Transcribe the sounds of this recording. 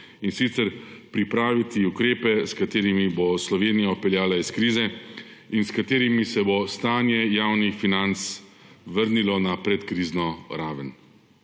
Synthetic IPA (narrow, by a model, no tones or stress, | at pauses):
insit̪sɛɾpɾipɾaːʋit̪iukɾeːpɛskat̪eːɾimiboslɔʋeːnijaɔpɛljaːlaiskɾiːzɛ | inskat̪eːɾimisɛbost̪aːnjɛjaːwnixfinant̪s | ʋəɾnilɔnapɾɛt̪kɾiːznɔɾaːʋən